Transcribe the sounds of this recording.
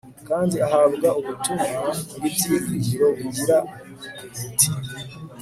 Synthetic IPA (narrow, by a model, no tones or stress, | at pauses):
kaːndiaɦaβɡauβutumaɡibziɡiziɾo̞βiɟiɾa | iti̥